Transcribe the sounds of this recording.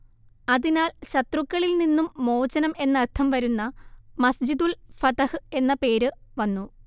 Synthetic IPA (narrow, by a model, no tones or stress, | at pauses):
ɐðinaːlɕɐt̪rukːɐɭilninːumːo̞ːt͡ɕɐnɐme̞nːɐrt̪ʰɐmʋɐɾunːɐmɐsd͡ʑid̪ulfɐt̪ɐhɨe̞nːɐpe̞ːɾɨʋɐnːu